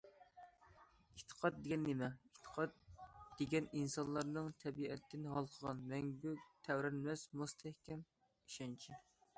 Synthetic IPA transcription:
et̪ʰə̥qʰɑd̪̚d̪eɡʲɛnːemɛit̪ʰə̥qʰɑt̪d̪̥eɡʲɛninsɑnlˠɑɾnɨŋt̪ʰɛbiɛt̪ʰːɪnɦɑlˠqʰəʁɑnmɛŋbyt̪ʰɛwɾɛnmɛsmust̪ʰɛhkʲɛm | iʃɑnt͡ʃʰi

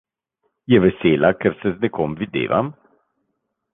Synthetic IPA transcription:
jɛʋɛseːlakɛɾsɛznɛkoːmvid̪ḛːʋa̰m

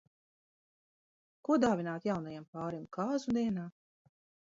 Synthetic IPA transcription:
kuɔd̪aːvinaːt̪jawnajampaːɾimkaːzud̪ɛːɛnaː

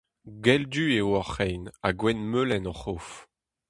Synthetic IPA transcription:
ɡɛld̪yːewɔχɛjnaɡwɛnmølɛnɔχof

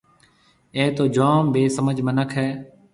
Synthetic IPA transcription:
eːt̪oːd͡ʒaːmbeːsəməd͡ʒʱmənəkʰɦɛː

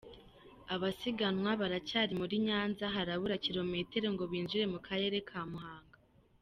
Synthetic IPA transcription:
aβasiɡanwaβaɾacaːɾimuɾiɲaːnzaɦaɾaβuɾaciɾo̞me̞te̞ɾeŋɡo̞βiːnzuɾe̞mukʰaɾe̞ːɾe̞kʰaːmuɦaːŋɡa

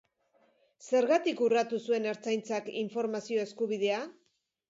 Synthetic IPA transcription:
se̞ɾɣat̪ikurat̪usue̞ne̞ɾt͡sajnt͡sakḭɱfo̞ɾmasio̞e̞skuβ̞ið̞e̞a

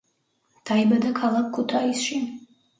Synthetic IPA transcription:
d̪̥aibad̪akʰalˠakʰːut̪ʰaisʃi

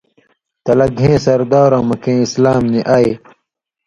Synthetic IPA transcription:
t̪ɐlɐɡʱẽːsɐɾd̪aːɾãːmɐkẽːislaːmniʔaːj

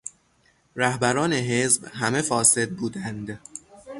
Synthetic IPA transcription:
ɾæhbæɾɒːne̞ɦezbɦæme̞fɒːse̞d̪̚buːd̪ænd̪

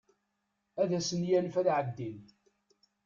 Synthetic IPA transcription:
æðæsənjænfæðʕəd̪ːin

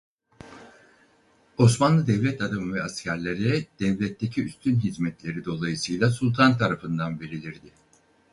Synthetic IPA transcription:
o̞smanlˠɯd̪ɛvlʲɛt̪ʰad̪amɯvɛascʰæɾlʲe̞ɾɛd̪̥ɛvlʲɛt̪ʰːe̞cʰiyst̪ʰynɦizmɛt̪lʲe̞ɾid̪o̞lˠajɯsɯjlˠasulˠt̪ʰant̪ʰaɾafɯnd̪anbelʲilʲiɾd̪ɪ

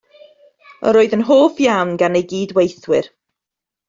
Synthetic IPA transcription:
ə̰ɾoːɨðənɦoːfjawnɡanejɡiːdwejθwɪɾ

